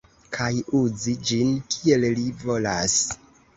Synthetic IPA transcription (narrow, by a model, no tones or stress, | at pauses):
kʰajuzid͡ʒinkʰie̞llivo̞las